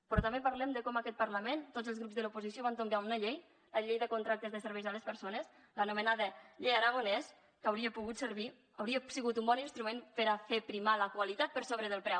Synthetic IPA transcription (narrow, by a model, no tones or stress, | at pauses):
pɾɔt̪ambepaɾlɛmd̪əkɔmakɛt̪̚pəɾləment̪odzəlˠzɣɾupzðəlupuzisjoβant̪omɡaunəʎej | ləʎejðəkunt̪ɾak̚t̪əzðəsəɾβɛjzaləspəɾsonəs | lənumənaðəʎejaɾaɣonɛs | kawɾiəpuɣut̪səɾβ̞i | awɾiəsiɣut̪umbɔninst̪ɾumenpəɾafepɾimaləkwalit̪at̪̚pəɾsoβɾəðəlˠpɾɛw